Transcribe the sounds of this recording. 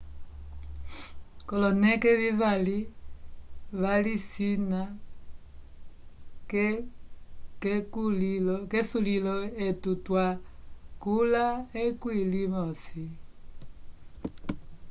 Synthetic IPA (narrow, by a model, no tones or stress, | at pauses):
kɔlɔnɛkɛβivali | βalisina | k | kkulilɔkɛsulilɔetutwakulaekwilimɔsi